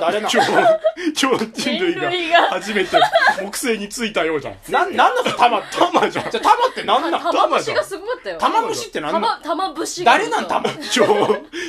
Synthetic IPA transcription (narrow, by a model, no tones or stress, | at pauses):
d̪aɾenão | t͡ɕoːd͡ʑĩnɾɯ̟iɡɡaɡhaʑime̞t̪emokɯ̟̥se̞ːɲ̟it͡sɨit̪ajo̞ːd͡ʑã̰nãnãnːot̪amat̪ʰamad͡ʑã̰d͡ʑat̪amat̪ːenãnːãt̪amaʑɕãɡasɨɡoat̪ːajot̪amabɯ̟ɕit̪ːe̞nãnbɯd̪aɾe̞nãnt̪amat͡ɕoː